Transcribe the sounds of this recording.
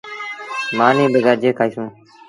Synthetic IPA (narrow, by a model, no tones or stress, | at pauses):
maːnĩːɗəɡaːd͡ʒeːkʰaːiːsũː